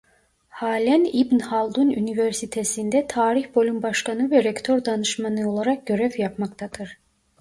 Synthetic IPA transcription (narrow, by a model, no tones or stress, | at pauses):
haːlʲænibnhalˠd̪uny̰nivɛɾsit̪ʰesind̪ɛt̪ʰaːɾiçbo̞lʲymbaʃkanɯvɛɾɛkt̪ʰo̞ɾd̪anɯʃmanɯo̞lˠaɾak̚ɟ̥ø̞ɾɛvjapmakt̪ʰad̪ɯɾ̥